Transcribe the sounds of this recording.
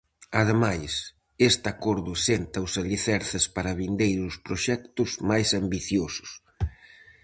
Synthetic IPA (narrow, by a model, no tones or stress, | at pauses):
ɐð̞emajs | est̪akɔɾðʊsent̪ɐʊsaʎiθɛɾθɪspaɾɐβind̪ejɾʊspɾoʃɛkt̪ʊzmajsambiθjosʊ̥s